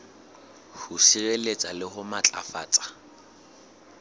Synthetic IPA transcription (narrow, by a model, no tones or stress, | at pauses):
hʊsirelet͡sʼalɪhʊmat͡ɬʼa̰fa̰ːt͡sʼḁ